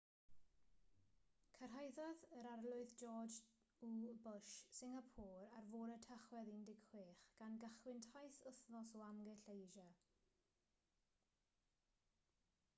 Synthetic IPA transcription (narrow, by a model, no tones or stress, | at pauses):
kʰər̥ɦajðɔðəɾarlˠʊɨðd͡ʒɔːd͡ʒ | ubʊʃsɪŋapʰɔːɾarvoːɾətʰəχwɛðindɪkʰχwɪːχɡ̥anɡaχwɪntʰajsəθnɔsɔamɡɛɬejʒa